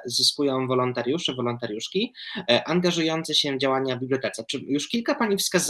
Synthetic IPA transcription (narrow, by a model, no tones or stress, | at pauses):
zɨskujɔ̃w̃vɔlɔnt̪aɾʲjuʂɛvɔlɔnt̪aɾʲjuʂkʲiʔanɡaʐujɔnt̪sɛɕɛvd͡ʑawaɲabʲiblʲjɔt̪ɛt̪sɛt͡ʂɘjuʂkʲilkapaɲifskaz